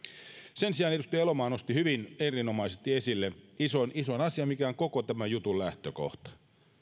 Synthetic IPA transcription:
sensiɑːnet̪ust̪ielomɑːnost̪ihyʋinerinomɑisest̪iesilːeisonisonɑsiɑmikæoŋkokot̪æmæjut̪ullæht̪øko̰ht̪ɑ̥

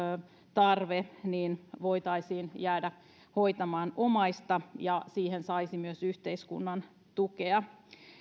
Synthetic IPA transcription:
t̪ɑrʋeniːnʋoit̪ɑisiːnjæːdæ | hoit̪ɑmɑːnomɑist̪ɑjɑsiːhensɑisimyøsyht̪eiskṵnːɑn | t̪ukeɑ

